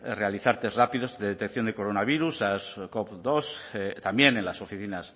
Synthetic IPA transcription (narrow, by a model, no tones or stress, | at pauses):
re̞aliθaɾt̪e̞srapiðo̞zdeðet̪ekθjo̞nd̪e̞ko̞ɾo̞naβ̞iɾusaskopd̪o̞st̪ambje̞nenlaso̞fiθinas